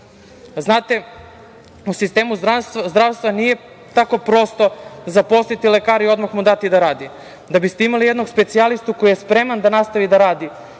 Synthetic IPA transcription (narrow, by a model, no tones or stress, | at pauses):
znaːt̪e̞ | usist̪e̞ːmuzd̪ɾaʋst̪vanije̞ | t̪ako̞pɾo̞st̪o̞zapo̞st̪it̪ilekaːɾio̞d̪maxmud̪at̪id̪aɾaːd̪i | d̪abist̪eimalije̞d̪no̞ɡspe̞t̪sialist̪uko̞jijespɾe̞mand̪anast̪aʋid̪aɾaːd̪i